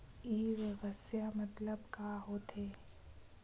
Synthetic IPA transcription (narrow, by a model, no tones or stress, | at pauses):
iːɾeɣəsjamɐt̪ləbkaːɦoːt̪ʰeː